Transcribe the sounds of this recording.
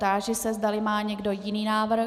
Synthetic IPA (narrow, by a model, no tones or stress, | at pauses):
t̪aːʒɪsɛzd̪alɪmaːɲɛɡdo̞jɪniːnaːvr̩